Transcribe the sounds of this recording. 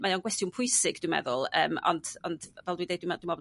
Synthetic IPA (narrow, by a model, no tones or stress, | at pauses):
majanɡwɛstɪunpʰʊjsɪɡd̥wimɛ̰ðʊlˠəːmɔ̰nd̥ɔndvɛlˠdwindejdwɪmdwimɔb